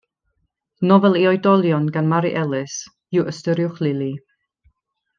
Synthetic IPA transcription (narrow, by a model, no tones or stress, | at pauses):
nɔvɛlˠiɔjdɔlˠjɔnɡanmaɾiʔɛlˠɪs | juwʔəstəɾjʊχlˠɪlˠi